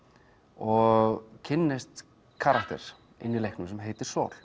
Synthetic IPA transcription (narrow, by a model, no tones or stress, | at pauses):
ɔɣcʰɪnːɪst̪ | kʰaːɾakt̪ɛ̰ɾ̥ | ɪ̰nːɪlejhknʏmsɛmɦeːjt̪ɪɾ̥sɔ̰ːl̥